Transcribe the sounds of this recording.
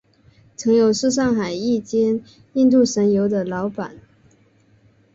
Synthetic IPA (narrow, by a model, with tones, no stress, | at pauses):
t͡sʰɤ˧˥ŋjo˨˩ʊʂɻ̩˥˧ʂ̬ɑ˥˩ŋxa˨˩ɪi˥˩t͡ɕjɛ˥n | i˥˧nt̪̬u˥˩ʂə˧˥njo˧˥ʊd̪ə˧lɑ˧˥ʊpa̰˨˩˦n